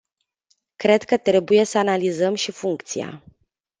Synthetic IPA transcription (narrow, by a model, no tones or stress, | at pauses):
kɾe̞d̪kət̪ɾe̞buje̞səanalizəmʃifuŋkt̪sia̰